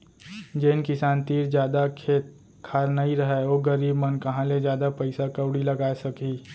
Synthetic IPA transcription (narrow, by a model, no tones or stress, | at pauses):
d͡ʒenkɪsaːnt̪iːɾd͡ʒjaːd̪akʰeːt̪ | kʰaːɾnaiɾəɦeoːɡəɾiːbmənkɐɦãled͡ʒjaːd̪apəɪsakəʊɽilɐɡaːesɐkiː